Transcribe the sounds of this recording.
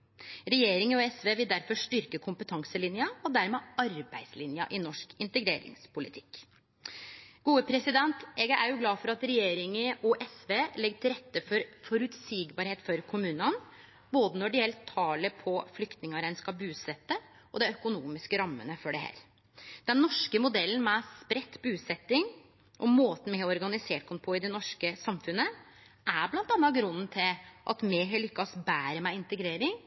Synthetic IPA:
ɾɛjeːɾɪŋəɔɛsʋeːʋɪld̪æɾfɔʂʈʏɾkəkʰʊmpət̪ʰɑŋsəlɪnjɑɔd̪æɾmeːɑɾbæɪd̪slɪnjɑ̰ʔɪnɔʂkɪnt̪əɡɾeːɾɪ̰ŋspʰʊlɪt̪ʰɪ̥kː | ɡ̥uːəpʰɾɛsɪd̪ɛnt̪ɛɡæɾjʊɡlɑːfɔɾɑt̪ɾɛjeːɾɪŋəʔɔʔɛsʋeːlɛɡʈ̪ʰɪlɾɛt̪ːəfɔɾfɔɾʉt̪siːɡbɑːɾheːt̪fɔɾkʰʊmʉːnən | boːd̪ənɔɖɪɛlt̪ʰːɑːləpʰɔflʏkt̪nɪŋɑɾænskɑbʉːsɛt̪ːə | ʔɔ̰d̪ɛœkʊnuːmɪskəɾɑmːə̰nəfɔɖɛhæ̰ːɾ | d̪̥ɛnnɔʂkəmʊd̪ɛlːən̩mɛspɾɛt̪ːbʉːsɛt̪ːɪŋ | ʔɔmoːt̪n̩mɛhɔɔɾɡɑnɪseːʈ̚kʰɔnfʰɔɪd̪ɛnɔʂkəsɑmfʉnə | ʔæblɑnt̪ɑnːɑɡɾʉnnt̪ʰɪlʔɑ̰t̪mɛɦɑlʏkːɑsbæːɾəmæɪɪnt̪əɡɾeːɾɪŋ

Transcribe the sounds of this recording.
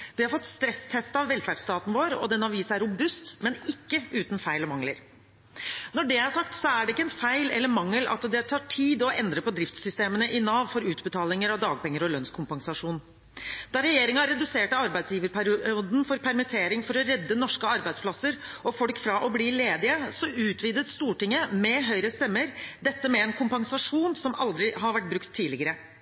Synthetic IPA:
ʋɪhɑɾfɔt̪ːst̪ɾɛst̪ʰɛst̪ɑʋːɛlfæɖst̪ɑːt̪n̩ʋoːɾɔ̰d̪ɛnɑʋiːsæɾʊbʉst̪mɛnɪkːəʉːt̪nfæɪlɔmɑŋləɾ | nɔɖɛæʂɑkt̪sɔæɖɛɪkːəɛnfæɪlɛ̰lːəɾmɑŋːəlɑ̰t̪d̪ɛt̪ʰɑːʈʰiːd̪ɔɛnd̪ɾəpɔd̪ɾɪft̪sʏst̪eːmənəʔɪnɑːʋfɔɾʉːt̪bət̪ʰɑːlɪŋəɾɑʋd̪ɑːɡ̚pɛŋːəɾɔlœnskʰʊmpɑŋsɑʂuːn | d̪ɑɾɛjeːɾɪŋɑɾɛd̪ʉseːʈəɑɾbæɪd̪sjiːʋəɾpæɾuːd̪n̩fɔɾpʰæɾmɪt̪ʰeːɾɪŋfɔɾɔɾɛd̪ːənɔʂkəɑɾbæɪd̪spʰlɑsːəɾ | ɔfɔlkfɾɑʔɔbliːleːd̪ɪəsɔʔʉːt̪ʰʋiːd̪ət̪st̪uːʈɪŋːəmɛɦœʏɾəst̪ɛmːəɾd̪ɛt̪ːəmɛːnkʰʊmpɑŋsɑʂuːnsɔmɑld̪ɾɪɦɑɾʋæʈ̚bɾʉkt̪ʰːiːlɪɡəɾə

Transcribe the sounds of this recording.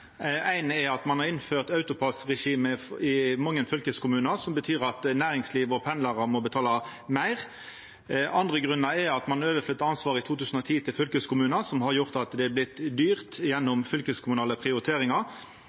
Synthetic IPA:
æɪnɛɾɑt̪mɑnhɑʁɪnføːʁt̪ɑʉt̪ʊpʰɑsʁɛʂiːməɪmɑŋːənfʏlkəskʊmʉːnɑsɔmbət̪ʰyːʁɑt̪næːɾɪŋsliːʋɔpʰɛnlɑʁɑmɔbət̪ʰɑːlɑmæɪʁ | ɑnd̪ʁəɡʁʉnːɑɛɑt̪mɑnøːʋəflʏt̪ːəɑnsʋɑːʁɪt̪ʰuːt̪ʰʉːsən̩ɔt̪ʰiːt̪ʰɪlfʏlkəskʊmʉːnəsɔmhɑʁjʊʁt̪ɑt̪d̪ɛæblɪt̪ːd̪yːʁt̪jɛnːɔmfʏlkəskʰʊmʉnɑːləpʰʁɪʊɾɪt̪ʰeːʁɪŋɑ

